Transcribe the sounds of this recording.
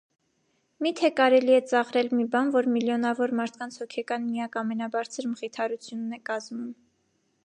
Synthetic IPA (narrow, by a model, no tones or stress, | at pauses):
mit̪ʰɛkɑɾɛliɛt͡sɑʁɾɛlmibɑnvɔɾmiljɔnɑvɔɾmɑɾt̪ʰkɑnt͡sʰhɔkʰɛkɑnmijɑkɑmɛnɑbɑɾt͡sʰəɾməʁit̪ʰɑɾut͡sʰjunːɛkɑzmum